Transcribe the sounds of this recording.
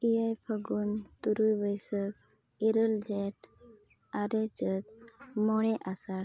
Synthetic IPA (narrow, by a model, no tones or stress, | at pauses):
ijajpʰəɡunt̪uɾujbəjsək̚ | iɾəld͡ʒɛʈ | aɾɛt͡ʃət̪̚mɔɽ̃ɛʔasaɽ